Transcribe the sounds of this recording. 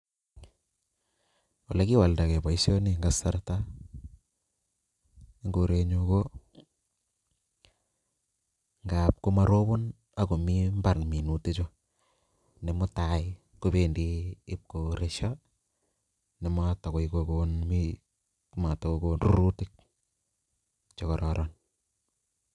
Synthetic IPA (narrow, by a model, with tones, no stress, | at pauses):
wa˨la˦ki˦wa˨lda˨ke˨ba˨isjo˦ni˨ŋɡasa˦rta | i˦ŋɡo˨ɾe˨ɲu˧ko˦ | ŋɡa˨p̚ko˦ma˨ɾo˦bo˦n | a˦ko˨mi˦mba˨rmi˨nu˨te˦t͡ʃo˦ | ne˨mʊ˦tai | ko˦be˨ndiː˦p̚ko˨ɾeʃa | ne˨ma˦ta˨ko˨ikokonmi˦ | ma˨ta˨koko˦nrṵ˦ɾu˦ti˦k̚ | t͡ʃɔ˨kɔ˨ɾɔɾɔn